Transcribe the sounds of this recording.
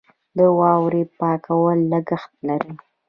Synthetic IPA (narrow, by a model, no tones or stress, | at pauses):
d̪əwɑwɾipɑkawəlːəɡaxt̪̚laɾi